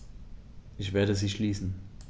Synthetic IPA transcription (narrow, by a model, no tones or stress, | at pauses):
ʔɪçv̥eːɐɾəziːʃliːsn̩